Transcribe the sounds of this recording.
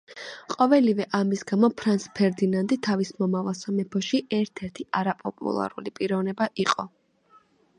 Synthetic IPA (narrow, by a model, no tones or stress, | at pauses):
qʼɔvɛlivɛʔamisɡamɔpʰɾanspʰɛɾd̪inand̪ʼit̪ʰavismɔmavalˠsamɛpʰɔʃiʔɛɾt̪ʰɛɾt̪ʰiʔaɾapʼɔpʼṵlˠa̰ɾṵlipʼiɾɔvnɛbaʔiqʼɔ